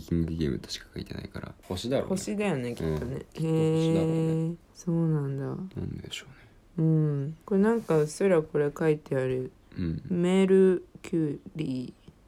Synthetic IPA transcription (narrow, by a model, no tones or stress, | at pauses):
kʲiŋd̪ekʲeb̰t̪ḁɕi̥kḁkait̪ena̰ikaɾa̰hoɕid̪aɾo̰ho̞ɕid̪ajo̞ne̞kʲi̥tt̪ːonee | so̞ːnãnd̪anãnd̪eɕo̥ːne | ɯ̟̃ɴko̞enãŋkaɯsɨɾako̞ɾe̞kait̪e̞aɾɯ̟̃ | meːɾɯ̟kʲʰɨːɾiː